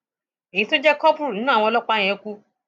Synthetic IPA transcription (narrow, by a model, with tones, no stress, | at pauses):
e˨jĩ˧to˦d͡ʒɛ˦kɔ˦pɾu˨nĩ˦nũ˦˨ɔ̃˧ɔ˧lɔ˦k͡pa˧˨j̃ɛ̃˧˨˧ku˦